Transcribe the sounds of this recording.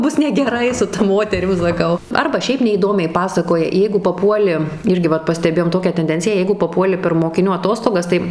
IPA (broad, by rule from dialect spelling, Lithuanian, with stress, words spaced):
ˈbʊs nʲɛɡʲɛˈrɐɪ sʊ tɐ ˈmoːtʲɛrʲɪm sɐˈkɐʊ ˈɐrbɐ ˈʃʲɛɪp nʲɛiːˈdoːmʲɛɪ ˈpɑːsɐkoːjɛ ˈjɛɪɡʊ pɐˈpuɔlʲɪ ˈɪrʲɡʲɪ ˈʋɐt pɐsʲtʲɛˈbʲeːjoːm ˈtoːkʲæː tʲɛnʲˈdʲɛnʲt͡sʲɪjæː ˈjɛɪɡʊ pɐˈpuɔlʲɪ pʲɛr moːkʲɪˈnʲuː ɐˈtoːstoːɡɐs ˈtɐɪ